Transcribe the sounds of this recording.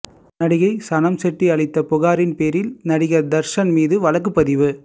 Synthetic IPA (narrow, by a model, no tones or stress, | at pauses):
nɐɽɪɣɐɪsɐnɐmsɛʈːiɐɭɪt̪ːɐpɔɣaːɾɪnpeːɾɪlnɐɽɪɣɐd̪ɐɾʂɐnmiːðɯʋɐɭɐk̬ːɯpːɐðɪʋɯ